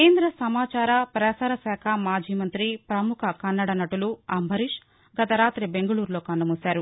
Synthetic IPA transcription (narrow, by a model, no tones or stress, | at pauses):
keːnd̪ɾɐsɐmaːt͡ʃaːɾɐpɾɐsaːɾɐsɛːkʰɐmaːd͡ʒiːmɐnt̪ɾipɾɐmukʰɐkɐnːɐɽɐnɐʈuluɐmbʱɐɾiʂ | ɡɐt̪ɐɾaːt̪ɾibeŋɡɐɭuːɾloːkɐɳɖɐmusaːɾu